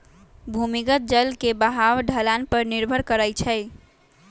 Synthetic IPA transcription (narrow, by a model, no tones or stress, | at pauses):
bʱumikət̪̚d͡ʒəlkebəɦawɖʱəlanpəɾniɾbʱəɾkəɾəjt͡ʃʰəɪ